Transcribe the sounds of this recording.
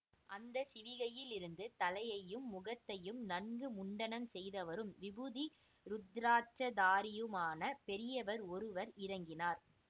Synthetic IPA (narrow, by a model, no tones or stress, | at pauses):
ʔɐnd̪ɐsɪʋɪɣɐjɪlɪɾɯnd̪ɯt̪ɐlɐjɐjɯmːʊɣɐt̪ːɐjɯmnɐɳɡɯmʊɳɖɐnɐmsɛjðɐʋɐɾɯmʋɪbɯði | ɾʊd̪ɾaːt͡ʃɐd̪aːɾɪjɯmaːnɐpɛɾɪjɐʋɐɾɔɾɯʋɐɾɪɾɐŋɡɪnaːɾ